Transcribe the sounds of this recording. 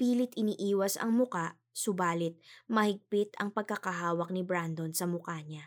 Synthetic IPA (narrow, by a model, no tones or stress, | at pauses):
piːlɪt̪ɪniːʔiːwɐsɐ̰ŋmʊkaʔ | sʊbaːlɪt̪̚mɐhɪɡ̚pɪt̪ɐŋpɐɡ̚kɐkɐɦaːwɐk̚nɪbɾand̪o̞nsɐmʊkaɲa